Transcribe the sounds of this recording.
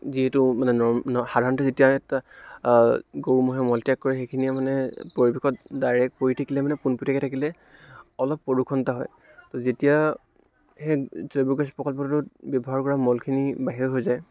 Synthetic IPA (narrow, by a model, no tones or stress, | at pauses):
ziɦɛtumanɛnɔnxadʱaɹnɔntɔzetijaɛta | ɡowmɔɦɛmɔltijakːɔɹɛxekʰiniamanɛpoɹibekʰɔtdajɹɛk̚poɹitʰakilɛmanɛpunputʰakɛtʰakilɛ | ɔlɔpːɔɹukʰɔntaɦɔ̰j | tɔzetija | hɛzɔjbɔɡɛspɔkalpɔtɔtʊtbɔbɔɦaɹkɔɹamɔlkʰinibaɦiɹɦojzaj